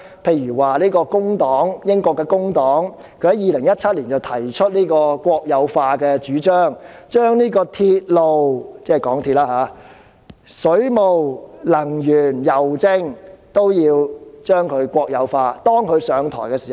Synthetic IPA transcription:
pʰe˧jyː˨˩waː˨˩liː˥kɔː˧kʊ˥ŋt̪ɔː˨˥ŋjɪ˥ŋkɔː˧kːɛː˧kʊ˥ŋt̪ɔː˨˥ŋ | kʰɵ˧ɥhɐ˨˥jiː˨˧lɪ˨˩ŋjɐ˥t̚t͡sʰɐ˥t̚liː˨˩nt͡sɐ˨wt̪ʰɐ˨˩jt͡ʃʰɵ˥t̚niː˥kɔː˧kʷɔː˧k̚jɐ˨˧wfaː˧kɛː˧t͡ʃyː˨˥t͡ʃœː˥ŋt͡ʃœː˥ŋniː˥kɔː˧t̪ʰiː˧t̚lo˨wt͡sɛː˥˨kɔː˨˥ŋt̪ʰi˧t̚laː˥haː˨˥ | sɵ˨˥ɥmo˨wlɐ˨˩ŋjyː˨˩njɐ˨˩wt͡sɪ˥ŋt̪o˥wjiː˧wt͡ʃœː˥ŋkʰɵ˨˧ɥkʷɔː˧k̚jɐ˨˧wfaː˧t̪ɔː˥ŋkʰɵ˨˧ɥsœː˨˧ŋt̪ʰɔ̰ː˨˩jkɛː˧siː˨˩

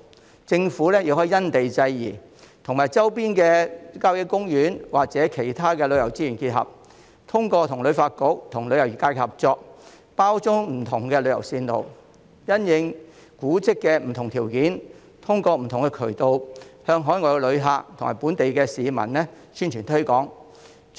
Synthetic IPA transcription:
t͡sɪ˧ŋfuː˨˥lɛː˥ji˧whɔ˨˥jɐ˥nt̪e˨jt͡sɐ˧jjḭː˨˩ | t̪ʰʊ˨˩ŋmaː˨jt͡sɐ˥wpiː˥nkɛː˧kaː˥wjɪ˨˥kʊ˥ŋjyː˨˥nwaː˨k̚t͡sɛː˨˥kʰe˨˩jt̪ʰaː˥kɛː˧lɵ˨˧ɥjɐ˨˩wt͡siː˥jyː˨˩nkiː˧t̚hɐ̰˨p̚ | t̪ʰʊ˥ŋkɔː˧t̪ʰʊ˨˩ŋlɵ˨˧ɥfaː˧t̚kʊ˨˥k̚t̪ʰʊ˨˩ŋlɵ˨˧ɥjɐ˨˩wjy˨˩kaː˧˥kɛ˧hɐ˨p̚t͡sɔː˧k̚ | paː˥wt͡sʊ˥ŋm̩˨˩t̪ʰʊ˨˩ŋkɛ˧lɵ˨˧ɥjɐ˨˩wsiː˧nlo̰˨w | jɐ˥njɪ˨˧ŋ | kuː˨˥t͡sɪ˥kːɛː˧m̩˨˩t̪ʰʊ˨˩ŋt̪ʰiː˨˩wkiː˨˥n | t̪ʰʊ˥ŋkɔː˧m̩˨˩t̪ʰʊ˨˩ŋkɛ˧kʰɵ˨˩t̪o˧whœː˧ŋɦɔː˨˥jŋɔː˧kɛ˧lɵ˨˧ɥɦaː˨˧k̚t̪ʰʊ˨ŋmaː˨˩jpuː˨˥nt̪e˨jkɛː˧siː˨˧mɐ̰˨˩nlɛ˥ | syː˥nt͡ʃʰyː˨˩nt̪ʰɵ˥kɔː˨˥ŋ

